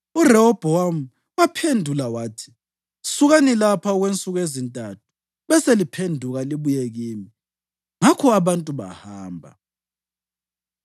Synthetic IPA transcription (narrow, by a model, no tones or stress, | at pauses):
urɛɔb̥ʱɔam̩ | wapʰendʱulawaːtʰi̥ | suɣanilapʰaɔɣwent͡sʼuɣezintʼatʰu̥ | βɛselipʰendʱuɣaliβujeɣiːmi | ŋakʰɔaβantʼuβa̰haːmbʱa̰